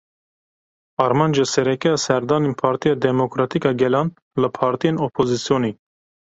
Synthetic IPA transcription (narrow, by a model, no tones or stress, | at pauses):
ɑɾmɑnd͡ʒesɛɾɛkɛjɑsɛɾd̪ɑːninpʰɑːɾt̪ʰijɑːd̪ɛmokɾɑːt̪ikɑɡɛlɑːn | ləpʰɑːɾt̪ijenopʰozisijoni